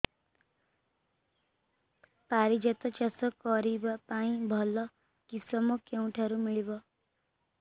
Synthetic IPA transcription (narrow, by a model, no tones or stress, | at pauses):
paɾid͡ʒet̪ɔt͡ʃasɔkʌɾibapaĩbʱʌlːʌ | kisʌmokeũʈʰaɾumiɭibʌ